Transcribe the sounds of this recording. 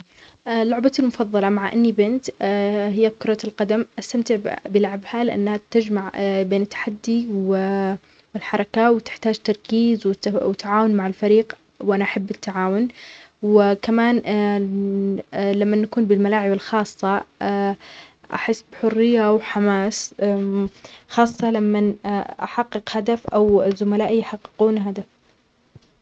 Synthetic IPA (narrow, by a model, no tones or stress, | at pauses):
ʔlːʊʕbalmʊfɑðˤːɑlɑmaʕʔa̰nːibɪnt̪hɪjːakʊɾˤɑlqɑd̪amʔast̪amt̪ɪʕbɪlaʕbhalɪʔa̰nːhat̪ad͡ʒmaʕbeːnɪt̪ːḁħad̪ːiw | wɪlħɑɾˤɑkawɪt̪ɪ̥ħt̪aːd͡ʒt̪ɑɾˤkiːzwɪwɪt̪ːaʕaːwʊnmaʕɪlfaɾiːq | wʔanaʔaħabːɪt̪ːaʕaːwʊnwɪkamaːn | lamːanːakuːnbɪlmalaːʕɪbɪlxɑːsˤːɑ | ʔa̰ħɪsːbħʊrːɪjːawħamaːs | xɑːsˤːɑlamːanʔa̰ħɑqːɨqhad̪afʔawzʊmalaːʔijħɑqːɪ̥quːnɦad̪af